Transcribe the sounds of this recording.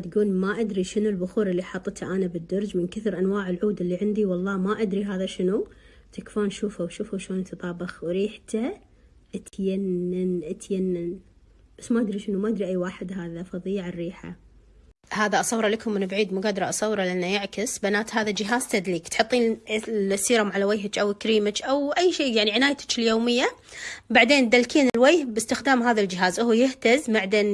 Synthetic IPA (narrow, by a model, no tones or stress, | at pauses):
t̪ɡuːlmaʔad̪ɾiʃɪnulbʊxuːɾʔɪlːiħɑt̪ˤːt̪ʰaʔanabɪd̪ːʊɾˤd͡ʒmɪnkaθɪɾʔanwaːʕɪlʕuːd̪ɪlːiʕɪnd̪iwɑlˤːɑːmaʔad̪ɾiɦaːðaʃɪnu | t̪ɪkfaːnʃuːfawʃuːfaʃloːnt̪ɨt̪ˤɑːbɪxwɾiːħt̪a | ʔat̪janːanʔat̪janːan | b̥asːmaʔad̪ɾiʃɪnumaʔaɪd̪ɾiʔajːwaːħɪd̪ɦaːðafɑðˤiːʕarːiːħa̰ | haːðaʔɑsˤɑwːɾˤɑlakʊmːɪnbʕiːd̪muɡad̪ɑɾˤɑʔɑsˤɑwːɾˤɑlɪʔanːajɪʕkɪsbanaːt̪haːðad͡ʒɪɦaːzt̪ad̪liːkt̪ħɨt̪ˤːiːnlsiːɾʊmʕalawajɦɪt͡ʃʔawkɾiːmɪt͡ʃʔawʔajːʃiːjaʕniʕɪnaːjt̪ɪ̥t͡ʃɪljoːmɪjːa | baʕd̪eːnd̪alkiːnɪlwajhbɪst̪ɪxd̪aːmɦaːðald͡ʒɪɦaːzʔʊhujɪht̪azbaʕd̪eːn